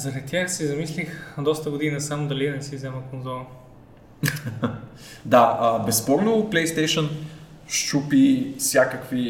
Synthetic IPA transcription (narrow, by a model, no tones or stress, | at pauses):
zɐɾɐd̪it̪jaxsizɐmislixd̪ɔst̪əɡʊd̪inɐsamd̪ɐlinɛsivzɛməkonzɔlˠə | d̪aəbɛspɔɾnoplɛjst̪ɛjʃən | ʃt͡ʃupifsʲjakəkvi